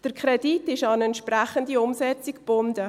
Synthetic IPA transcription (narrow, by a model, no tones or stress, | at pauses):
d̥əɾkʰɾɛditɪʃɑnɛntʃpɾæχəndiʊmsɛt͡sikb̥ʊndə